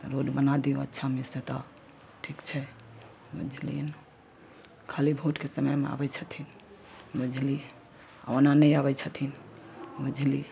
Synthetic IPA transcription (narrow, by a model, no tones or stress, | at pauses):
t̪ɔɾoɖbənad̪iũətːʃʰamiset̪a | ʈʰikt͡ʃʰɛ | bṵd͡ʒʱlḭn | kʰalibʱoʈkesəməjmea̰bɛt͡ʃʰət̪ʰin | bud͡ʒʱli | a̰nanəjabɛt͡ʃʰət̪ʰinbud͡ʒʱli